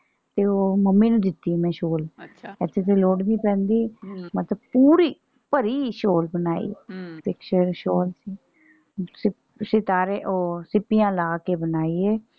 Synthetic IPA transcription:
t̪eːoːməmːĩːnũːd̪ɪt̪ːiːmɛ̃ːʃoːlɛt̪ʰːeːt̪̬eloːɽniːpɛ̃ːnd̪iːmət̪ləb̚puːɾiː | pəɾiːʃoːlbənaːḭːpɪkʃəɾʃoːlsiː | sɪ | sɪt̪aːɾeːʔoːsɪpːijãːlaːkeːbənaːiːeː

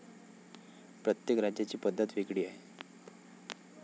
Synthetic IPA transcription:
pɾət̪jekɾad͡ʑjat͡ɕiːpəd̪ʱːət̪ʋikɽiːaɦe

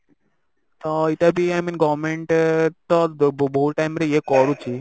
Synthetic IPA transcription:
t̪ɔit̪abʱiajminɡɔʋmeɳʈt̪ɔbboɦuʈajmɾeekɔɾut͡ʃi

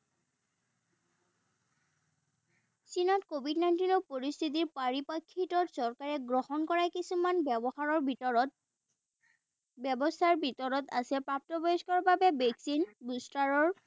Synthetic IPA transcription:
sinɔtkobʱidnajntinɔpoɹist̪ʰit̬iɹpaɹipakʰːitɔtsɔɹkaɹɛɡɹɔhɔnkɔɹakisumanbɔxaɹɔɹ | bɛbɔstʰaɹbʱitɔɹɔta̰sɛpɹap̚tɔbɔjɔskɔɹbabɛbeksinbustaɹɔɹ

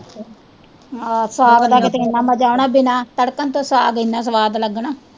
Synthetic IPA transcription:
asaːbd̪aːkɪt̪eɪnːaːməd͡ʒaːʊɳaːbɪnãːt̪əɽkənt̪õːsaəɡɪnːaːs̬əʋaːd̪ləɡɳaː

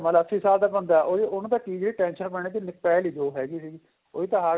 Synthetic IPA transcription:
mələsiːsaːlt̪aːbənd̪aːʔoːiʊñt̪aːkiːd͡ʒeɽiːʈɛ̃ːnʃənpɛɳ̃eːt̪iːnɪk̚pɛːliːd͡ʒoːɦɛːɡiːsiːɡ | oːiːt̪ãːɦaː

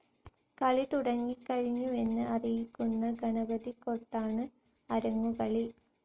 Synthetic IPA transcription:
kɐɭit̪uɽɐŋːikːɐɻiɲːue̞nːɨɐrijikʲːunːɐɡɐɳɐbɐðikoʈːaːɳɨ | ɐɾɐŋːukɐɭi

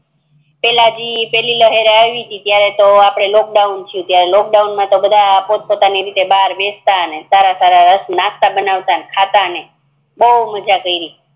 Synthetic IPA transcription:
pɛlad͡ʒipɛliləɦeɾaʋit̪ʰit̪jaɾet̪oapɽ̃elɔk̚ɖaunt͡ʃʰjũt̪jaɾelɔk̚ɖaunmãt̪obəd̪ʱaːpot̪̚pot̪aniɾit̪ebaɾʋest̪aənesaɾasaɾaɾəsnãst̪abənaʋt̪anekʰat̪aəne | bəuməd͡ʒakəiɾi

